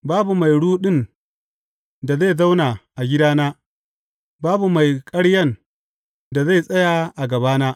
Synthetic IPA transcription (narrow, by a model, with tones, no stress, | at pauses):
baː˦bu˨ma˨jɽuː˦ɗɪ˦n | da˨za˦˨za˦wnaː˨ʔa˨ɡʲɪ˦daː˦naː˦ | baː˦bu˨ma˨jkʼɐ˦ɽjɐ˦˨n | da˨za˦˨jsʼɐ˦ja˨ʔa˨ɡɐ˨baː˦naː˦ʔ